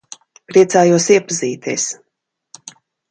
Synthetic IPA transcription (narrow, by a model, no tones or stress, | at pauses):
pɾiɛt̪saːjuɔsiɛpaziːt̪ʲiːs